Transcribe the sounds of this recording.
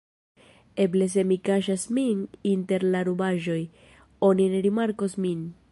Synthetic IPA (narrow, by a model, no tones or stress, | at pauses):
e̞bles̬e̞mikaʃ̬asmininte̞ɾlaɾubaʒo̞j | o̞nineɾimaɾko̞smin